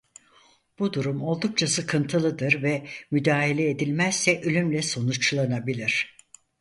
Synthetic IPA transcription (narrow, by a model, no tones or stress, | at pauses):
b̥ud̪uɾumo̞lˠd̪uk̚t͡ʃʰasɯkʰɯnt̪ʰɯlˠɯd̪ɯɾvɛmyd̪aːɦilʲɛeːd̪ilʲmæz̥ːɛʔølʲymlʲɛso̞nut͡ʃlˠanabilʲiɾ̥